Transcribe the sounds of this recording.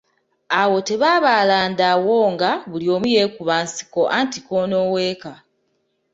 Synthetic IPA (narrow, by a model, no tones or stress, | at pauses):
awo̞te̞βaːβalaːndawo̞ːŋɡaβulio̞ːmujeːkuβaːnsi̥ko̞ʔantiko̞ːnoːweːka